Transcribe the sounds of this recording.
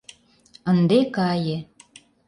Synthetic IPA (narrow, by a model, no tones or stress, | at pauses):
ə̆nd̪ekɑje